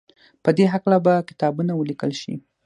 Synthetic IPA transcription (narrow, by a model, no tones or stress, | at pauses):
pəd̪eɦaklabakɪ̥t̪ɑbunawəlikəlʃḭ